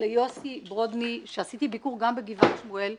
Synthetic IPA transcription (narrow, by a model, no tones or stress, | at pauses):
lejo̞sibʁod̪miʃeasit̪ibikuʁɡambeɡivanʃmuel